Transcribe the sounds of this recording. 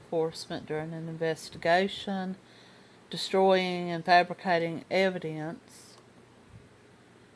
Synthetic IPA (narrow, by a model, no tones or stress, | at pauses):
fɔɹsmə̃nd̥ʊɹɪ̃ŋɨ̃nɨ̃ɱvɛstɨɡeɪʃə̃n | d̥ɨstɹ̥ɔɪɪ̃ŋɨ̃nfæbɹɨkʰeɪɾɪ̃ŋɛvɨɾiə̃ns